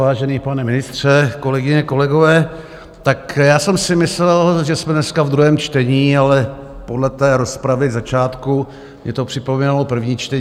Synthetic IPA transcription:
aːʒɛniːpanɛmɪnɪst̪r̝̥ɛko̞lɛɡɪɲɛko̞lɛɡovɛː | t̪akjaːsɛmsɪmɪslɛlʒɛsmɛnɛskavd̪ɾuɦɛːmt͡ʃt̪ɛɲiːalɛ | podlɛt̪ɛːɾospɾavɪzat͡ʃaːt̪ku | mɲɛt̪o̞pr̥ɪpomiːnalopr̩vɲiːt͡ʃt̪ɛɲ

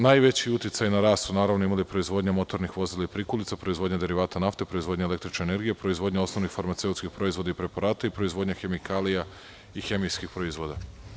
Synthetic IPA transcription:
najʋe̞t͡ɕiut̪jet̪sajnaɾaːst̪sunaːɾaʋno̞imalipɾo̞izʋo̞d̪ɲamo̞t̪o̞ɾnixʋo̞zilaipɾikulit̪apɾo̞izʋo̞d̪ɲad̪e̞ɾiʋaːt̪anaft̪e̞pɾo̞izʋod̪ɲaele̞k̚t̪ɾit͡ʃneːne̞ɾɡijepɾo̞izʋo̞d̪ɲao̞sno̞ʋnixfaɾmat̪se̞ut̪skixpɾo̞izʋo̞d̪aipɾe̞paɾaːt̪aipɾo̞izʋo̞d̪ɲaxe̞mikʰaːlija | ixe̞mijskixpɾo̞izʋo̞d̪a

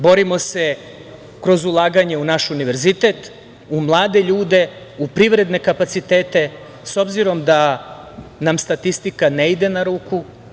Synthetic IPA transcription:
bo̞ɾimo̞se̞ | kɾo̞zulˠaːɡaɲe̞unaʃuniʋe̞ɾzit̪e̞t̪ | umlˠaːd̪eʎuːd̪e̞ | upɾiʋɾe̞d̪ne̞kapat̪sit̪eːt̪e̞ | so̞bziɾo̞md̪a | namst̪at̪ist̪ikaneid̪e̞naɾuːku

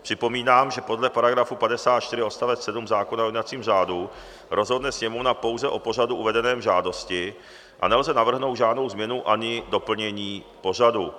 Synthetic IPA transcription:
pr̝̥ɪpo̞miːnaːmʒɛpo̞dlɛpaɾaɡɾafupadɛsaːt̪t͡ʃt̪ɪɾɪo̞st̪avɛt͡ssɛdumzaːkonajonat͡siːmr̝aːdu | ɾʔo̞zɦo̞dnɛsɲɛmo̞vnapo̞wzɛʔo̞po̞r̝aduʔuvɛdɛnɛːmʒaːdo̞scɪ | ʔa̰nɛlzɛnavr̩ɦno̞wd̪ʒaːdno̞wzmɲɛnuʔaɲɪdo̞pl̩ɲɛɲiː | po̞r̝adu

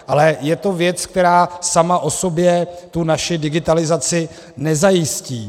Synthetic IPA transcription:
ʔalɛjɛt̪o̞vjɛt͡sk̚t̪ɛɾaːsamaʔo̞so̞bjɛt̪unaʃɪdɪɡɪt̪alɪzat͡sɪ | nɛzajɪsciː

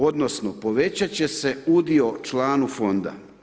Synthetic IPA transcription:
o̞d̪nosnopo̞ʋe̞t͡ɕat͡ɕe̞se̞ud̪io̞t͡ʃlaːnufo̞nd̪a̰

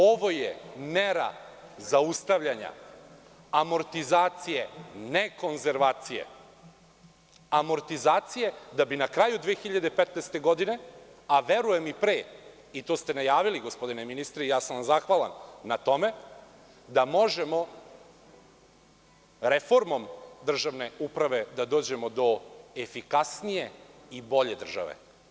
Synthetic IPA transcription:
o̞ʋo̞jḛmeɾa̰zaust̪aʋʎaɲa̰ | amo̞ɾt̪izaːt̪sijeneko̞nzeɾʋaːt̪sijḛ | amo̞ɾt̪izaːt̪sije̞d̪abinakɾajud̪ʋeːxiʎad̪epet̪nest̪e̞ɡo̞d̪ine̞aʋe̞ɾuje̞mipɾeː | it̪o̞ːst̪e̞najaːʋiliɡospo̞d̪ineminist̪ɾeijaːsanʋamzaxʋalˠa̰nːat̪o̞me̞ | d̪amo̞ʒe̞mo̞ | ɾefo̞ɾmo̞md̪r̩ʒaʋne̞upɾaʋe̞d̪ad̪o̞ːd͡ʑe̞mo̞d̪o̞efikasnije̞ibo̞ʎe̞d̪r̩ʒa̰ʋḛ

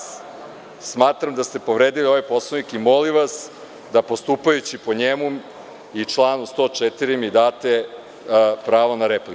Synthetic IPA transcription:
smaːt̪ɾamd̪ast̪e̞po̞ʋɾeːd̪ilio̞ʋajpo̞slˠonikimo̞liʋas | d̪apo̞st̪upajut͡ɕipo̞ɲemu | it͡ʂlˠaːnust̪o̞t͡ʂet̪iɾimid̪aːt̪e̞ | pɾaːʋonaɾepli

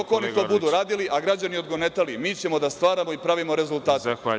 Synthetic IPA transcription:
okoonit̪o̞bud̪uɾaːd̪iliʔaɡɾad͡ʑanio̞d̪ɡo̞ne̞t̪alimiːt͡ɕe̞mo̞d̪ast̪ʋaːɾamo̞ipɾaʋimo̞ɾe̞zult̪aːt̪e

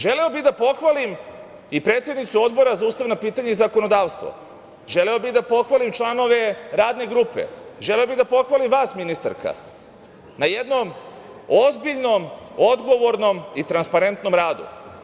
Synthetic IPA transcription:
ʒe̞leobid̪apo̞xʋalim | ipɾe̞ːt̪sʲjed̪nit̪suo̞d̪bo̞ɾazauːst̪aʋnapiːt̪aɲeizako̞no̞d̪aːʋst̪ʋo̰ | ʒe̞leobid̪apo̞xʋalimt͡ʃlˠano̞ʋe̞ɾaːd̪ne̞ɡɾuːpḛʒe̞leobid̪apo̞xʋalimʋaːsminist̪a̰ɾka̰ | najed̪no̞m | o̞zbiʎno̞mo̞d̪ɡo̞ʋo̞ɾno̞mit̪ɾanspaɾe̞nt̪no̞mɾaːd̪ṵ

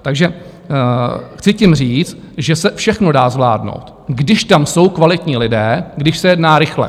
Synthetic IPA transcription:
t̪aɡʒɛ | xt͡sɪcɪmr̝iːt͡st̪ | ʒɛsɛfʃɛxnodaːzvla̰ːdno̰wt̪ | ɡdɪʃt̪amso̞wkvalɪt̪ɲiːlɪdɛːɡdɪʃsɛjɛdnaːɾɪxlɛ̰

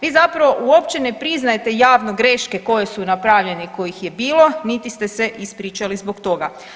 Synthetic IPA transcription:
ʋiːzapɾaʋo̞ʔuo̞pt͡ɕe̞ne̞pɾiznaje̞t̪e̞jaːʋno̞ɡɾe̞ʃke̞ko̞je̞sunapɾaʋʎe̞niko̞jixje̞biːlˠo̞nit̪ist̪e̞se̞ʔispɾiːt͡ʃalizbokt̪o̞ɡa

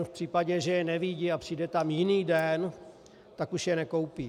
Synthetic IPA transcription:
fpr̝̥iːpaɟɛʒɛjɛnɛvɪɟɪapr̝̥iːdɛt̪amjɪniːdɛn | t̪akuʃjɛnɛko̞wpi

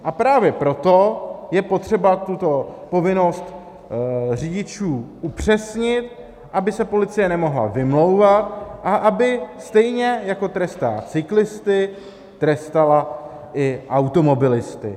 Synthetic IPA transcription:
ʔapɾaːvjɛpɾo̞t̪ojɛpo̞t̪r̝̥ɛbat̪ut̪o̞po̞vɪno̞st̪ | r̝iɟɪt͡ʃuːʔupr̝̥ɛsɲɪt̪ | ʔabɪsɛpo̞lɪt͡sɪjɛnɛmo̞ɦla̰vɪmlo̞wvat̪ʔaʔabɪst̪ɛjɲɛjako̞t̪ɾɛst̪a̰t͡sɪklɪst̪ɪ | t̪ɾɛst̪ala | ʔɪʔawt̪o̞mo̞bɪlɪst̪ɪ̰

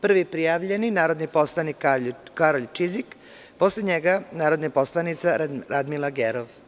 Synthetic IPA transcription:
pr̩ʋipɾijaʋʎe̞ninaːɾo̞d̪nipo̞slˠanikakaɾoʎt͡ʃizik | po̞sleɲeɡanaːɾo̞d̪napo̞slˠanit̪saɾad̪milaɡeɾoʋ

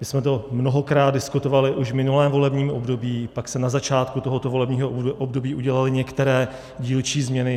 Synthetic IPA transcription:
mɪsmɛt̪o̞mnoɦo̞kɾaːt̪̚dɪskut̪o̞valɪʔuʒvmɪnulɛːmvo̞lɛbɲiːmʔobdo̞biːpaksɛnazat͡ʃaːt̪kut̪o̞ɦot̪ovolɛbɲiːɦoʔobdo̞biːʔuɟɛlalɪɲɛkt̪ɛɾɛː | ɟiːlt͡ʃiːzmɲɛnɪ

